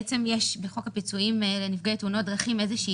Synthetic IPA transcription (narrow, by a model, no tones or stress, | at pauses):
t͡se̞mjeʃbeχo̞kapit͡suimlenifɡet̪unot̚dʁaχime̞zeʃiː